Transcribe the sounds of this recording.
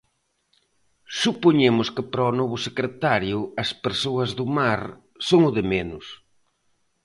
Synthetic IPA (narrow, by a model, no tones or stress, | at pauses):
supoɲemʊskɪpɾɔnɔβʊsekɾet̪aɾjʊɐspeɾsoɐzðʊmaɾ | soŋʊðɪmenʊs